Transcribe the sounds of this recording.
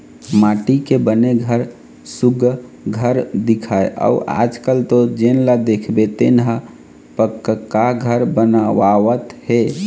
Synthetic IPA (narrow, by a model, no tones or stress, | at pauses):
maːʈikebəneɡʱəɾ | suɡ | ɡʱəɾd̪ikʰaeʔə̰uʔa̰d͡ʒkəlt̪od͡ʒenlad̪ekʰbet̪enɦə | pəkːəkːaɡʱəɾbənaʋawət̪he